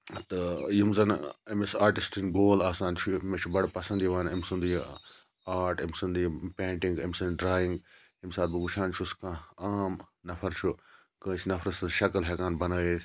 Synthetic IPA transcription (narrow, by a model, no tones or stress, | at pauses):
t̪ɐjimzɐnɐmisaːɾʈisʈinɡoːlaːsãːnt͡ʃʰumet͡ʃʰubɐɽpɐsɐnd̪jiʋaːnɐmsũnd̪uji | aːɾʈɐmsɐnd̪jipẽːɳʈĩŋɡɐmsɐnɖɾaːjiŋɡ | imsaːt̪̚bɨbuʃʰaːnt͡ʃʰuskãːaːmnɐfʰɐɾt͡ʃʰu | kə̃ːt͡ʃʰnɐfʰɾɐsɨʃɐkɐlɦekaːnbɐnɐːeːt̪